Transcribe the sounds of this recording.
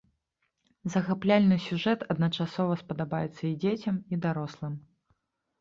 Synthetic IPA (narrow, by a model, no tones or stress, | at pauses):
zɐɣaplʲalʲnɨsʲuʐɛt̪ɐd̪nɐt͡ʂasɔvɐspɐd̪abajɛt̪sːɐid͡zʲet͡sʲɐmid̪aɾɔslˠɨm